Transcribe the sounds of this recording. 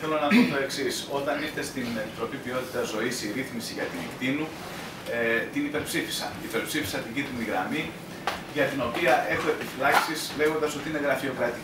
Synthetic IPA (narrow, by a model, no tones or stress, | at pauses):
θelo̞nɐðot̪o̞e̞ksiso̞t̪ɐniɾt̪e̞st̪ine̞pit̪ɾo̞pivio̞t̪it̪ɐzo̞isiɾiθmisiʝɐt̪inikt̪inu | et̪inipe̞ɾpsifi̥sɐ̰nipe̞ɾpsifi̥sɐt̪iɲɟit̪iniɣɾɐ̰mi | ʝɐt̪ino̞piɐʔe̞xue̞pifilɐksisle̞ɣo̞nd̪ɐso̞t̪iine̞ɣɾɐfio̞kɾɐt̪i